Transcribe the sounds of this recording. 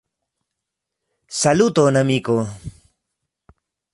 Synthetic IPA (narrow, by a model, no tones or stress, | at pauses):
salut̪onamiko